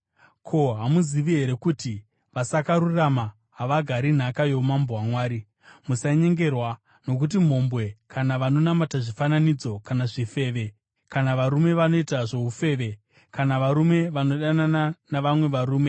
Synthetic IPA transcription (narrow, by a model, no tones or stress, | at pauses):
kʰo̞ɦamuziʋiɦe̞ɾe̞kuːti | ʋasakaɾurama | ɦaʋaɡʱaɾin̤akajo̞mambowamwaːɾi | musaɲe̞ŋɡe̞rwa | no̞k̬ut̬im̤o̞mbwe̞kʰanaʋano̞namataʐifananid͡zo̞kanaʐife̞ːʋe̞ | kanaʋaɾume̞ʋano̞itaʐoufe̞ːʋe̞ | kanaʋaɾume̞ʋano̞ɗanananaʋamwe̞ʋaɾuːme̞